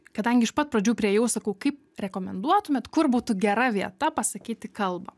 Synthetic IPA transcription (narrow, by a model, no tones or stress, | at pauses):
kɐd̪ɐŋʲɡʲɪɪʃpɐt̪̚pɾɐd͡ʒʲuːpʲɾʲiɛjɛʊsɐkɐʊkɐɪp̚ | ɾʲɛkoːmʲɛnd̪uɔt̪ʊmʲɛt̪kʊrbuːt̪ʊɡʲɛɾɐʋʲiɛt̪ɐpɐsɐkʲiːt̪ʲɪkɐlˠbɐ